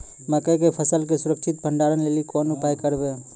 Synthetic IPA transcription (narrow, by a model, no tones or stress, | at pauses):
məkək̬epʰəsəlk̬esʊɾək̚t͡ʃʰit̪̚bʱəɳɖaɾənlelikonupajkəɾbe